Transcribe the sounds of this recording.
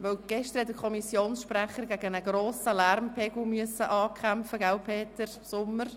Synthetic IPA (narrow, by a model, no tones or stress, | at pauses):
ʋœwɡ̥ɛʃtəɾhɛt̚dəkʰɔmisjoːnsʃprɛχəɾɡæɡənəɡ̥roːsəlæɾmpʰɛɡ̥l̩myəsəʔɑːkʰχæmfəɡaʊpʰeːt̪əɾ | sʊmːəɾ